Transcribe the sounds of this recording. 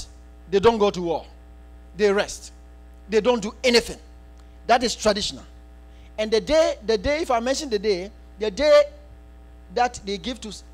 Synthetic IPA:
dedõnɡotuwɔl | deɹɛst | dedõnduɛniθɪ̃ŋ | datistɹadiʃɔna̰l | ɛ̃ndədedədeifaɪmɛ̃nʃɔ̃ndəde | dəde | ðatdeɡivtu

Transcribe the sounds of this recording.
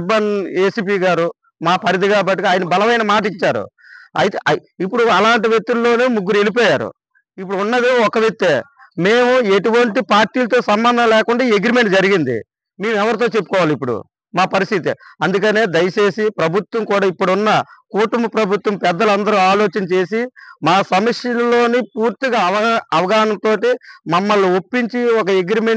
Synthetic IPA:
bɐneːsiːp̬iːɡaːɾu | maːpɐɾid̪iɡaːbɐʈ̬ːuɡaːjɐnɐbɐlɐʋɐjnɐmaːʈ̬iɲt͡ʃaːɾṵ | ɐjt̪eʔɐipːuɽuɐlaːɳʈiʋjek̚t̪ulːo̞ːnemuɡːuɾue̞lip̬ɔːjaːɾṵ | ip̬ːuɽuunːɐd̪iɔkɐʋek̚t̪ːeː | me̞ːmueʈuʋɐɳʈipaːɾʈːiːlɐt̪̬o̞ːsɐmbɐnd̪ʱɐnlɛːkuɳɖaːiːeɡɾime̞ɳʈd͡ʒɐɾiɡind̪ḭ | me̞ːmɛʋɐɾit̪oːt͡ʃe̞pːu̥kɔːʋaːlipːuɽṵ | maːpɐɾist̪it̪̬ḭɐnd̪uk̬ɐne̞ːd̪ɐjɐt͡ʃe̞ːsipɾɐbʱut̪wɐmkuːɽaːipːuɽunːɐkuːʈumbɐpɾɐbʱut̪ːwɐmpɛd̪ːɐlɐnd̪ɐɾuaːlo̞ːt͡ʃɐnɐt͡ʃe̞ːsimaːsɐmɐkʂjɐlulo̞ːnip̚uːɾt̪iɡaːɐʋɐɐʋɐɡaːɦnɐnt̪o̞ːʈimɐmːɐlːuopːiɲt͡ʃiɔk̬ɐeɡɾime

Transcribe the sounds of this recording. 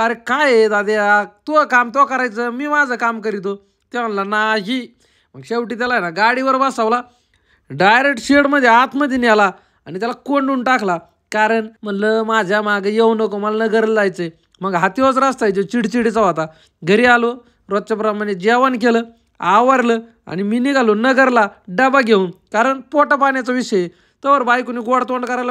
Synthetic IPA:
əɾekajet̪ad̪eat̪okamt̪okəɾajt͡səmiːmad͡zʱəkamkəɾit̪̬o | t̪ɛm̤əlanaɦi | m̤əɡɕeʋʈiːt̪̬jalaɦjnaɡaɽiʋəɾbəsaʋla | ɖajɾek̚ʈɕeɽməd̪ʱːjeat̪ʰməd̪ʱːjenɛla | anit̪ʲalakoɳɖuɳʈakʰla | kaɾəɳm̤əɳləmad͡ʑʱjamaɡəjewnəkoməlanəɡəɾləd͡zajt͡se | m̤əɡɦat̪iɦot͡sɾast̪ajd͡ʑet͡ɕiɽt͡ɕiɽit͡səʋat̪a | ɡʱəɾialo | ɾɔt̪̚ːt͡ɕap̬ɾaməned͡ʑɛʋənkelə | aʋəɾlə | a̰niminiɡalonəɡəɾlaɖəbaɡʱeunkaɾəɳpɔʈəpaɳjat͡saʋiɕəje | t̪əʋəɾbajkuniɡoɽt̪oɳɖkəɾajlə

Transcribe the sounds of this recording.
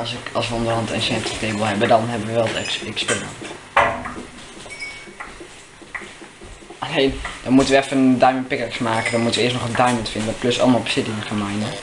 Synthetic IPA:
ɑlˠsɪkɑlˠsʋəondərɦɑntɛ̰nʃɛptəkeːbəl̩ˠɦɛbədɔnɦɛbəʋəʋɛlˠtɛɪkspɪnə̰n | ʔaleːnd̥ɔnmutənʋəɛfədajmənt̚pɪkəɹksmaːkədɔnmutəʋəɪəstnɔχəndajməntfɪndədɔt̚pløsɑ̰lˠmalˠbəsɪtɪnəχəmajndə

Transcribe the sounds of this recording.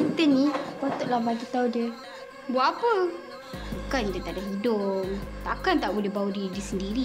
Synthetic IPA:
it̪ənipat̪ʊʔlahbaɡit̪audiə | buaʔapə | bukand̪ət̪aʔdaɦidʊp̚t̪akant̪aʔbulɛɦbaudidəsəndiɾi

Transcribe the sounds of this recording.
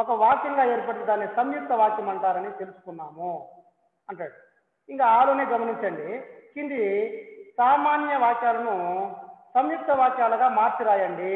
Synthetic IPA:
ɔkɐʋaːkjɐŋɡaːe̞ːɾpɐʈːɐd̪aːnːisɐmjuk̚t̪ɐʋaːkjɐmɐɳʈaːɾɐnit̪e̞lusu̥kunːaːmu | ɐɳʈaːɽi | iŋkaːaːloːneːɡɐmɐniɲt͡ʃɐɳɖikind̪isaːmaːnjɐʋaːkjaːlɐnu | sɐmjuk̚t̪ɐʋaːkjaːlɐɡaːmaːɾt͡ʃiɾaːjɐɳɖi

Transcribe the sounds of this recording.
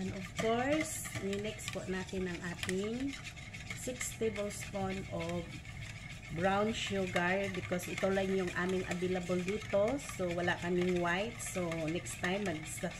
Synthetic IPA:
ɐnɔvkoɹsninɛkspoʔnaːt̪ɪnɐŋʔaːt̪ɪŋ | sɪkst̪ɛbɛlsponʔo | bɹawnʃuɡaɹbɪkosʔɪt̪olɐŋjʊŋʔaːmɪŋʔɐ̰d̪ilɐbold̪uːt̪o̞sowɐlakɐmɪŋwajt̪̚sonɛkst̪ːajmːɐɡ̚sɐ

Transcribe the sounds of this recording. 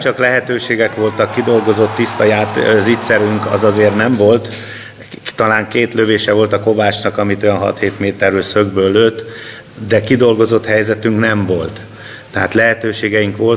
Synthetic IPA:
t͡ʃɒklɛɦɛt̪øːʃeːɡɛkʋo̞lt̪ɒkːid̪o̞lɡo̞zo̞t̪ːist̪ɒjaːt̪zit̪sɛɾyŋkɒ̰zɒzeːrnɛɱvo̞lt̪ | t̪ɒlaːŋkeːt̪løveːʃɛvo̞lt̪ɒko̞vaːt͡ʃnɒkɒmit̪ojɒnɦɒ̰t̪heːt̪meːt̪ɛrøːlsøɡbøːlːøːt̪ː | d̪ɛkid̪o̞lɡo̞zo̞t̪hɛjzɛt̪yŋknɛɱvo̞lt̪ː | ɛɦaːt̪lɛɦɛt̪øːʃeːɡɛiŋkʋo̞l

